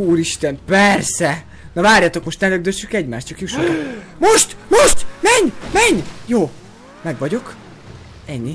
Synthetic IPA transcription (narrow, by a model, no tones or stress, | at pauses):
uːɾiʃt̪ɛmpɛrsɛ | nɒvaːrjaːt̪o̞kmo̞ʃt̪nɛløɡ̚d̪øsykɛɟmaːʃt̪t͡ʃɒkjuʃoomoʃt̪moʃt̪mɛɲmɛɲjoː | mɛɡʋɒɟo̞k | ɛɲːi